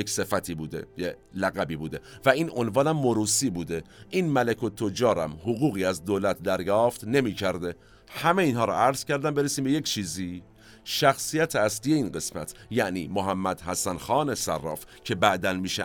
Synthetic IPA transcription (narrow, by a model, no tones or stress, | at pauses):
ekse̞fæt̪ʰiːbuːd̪ḛje | læɣæbiːbuːd̪evæiːno̞nvɒːnæmːoɾuːsiːbuːd̪eʔiːnmælekʰo̞t̪ʰod͡ʒɒːɾæ̰mhoɣuːɣiːæzd̪oːlæt̪ʰd̪æɾjɒːft̪ne̞miːcʰæɾd̪e | hæmeiːnɦɒːɾɔ̰ʔæɾz̥cʰæɾd̪æmbe̞ɾesiːmbeject͡ʃʰiːziː | ʃæxsijæt̪ʰeæsliːjeiːnɢe̞smæ̰t̪ʰjæʔniːmoɦæmːæd̪̥hæsænxɒːnesæ̰rːɒ̰ːfcʰe̞bæʔd̪ænmiːʃe